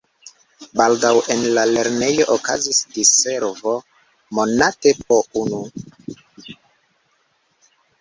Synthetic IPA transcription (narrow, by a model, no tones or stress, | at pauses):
baldawʔenlale̞ɾne̞jo̞ʔoka̰zisdise̞ɾvo̞ | mo̞natep̚ounu